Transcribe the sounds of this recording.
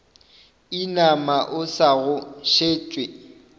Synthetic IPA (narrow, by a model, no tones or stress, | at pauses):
inamaʔʊsaɣʊʃeːt͡ʃʼwe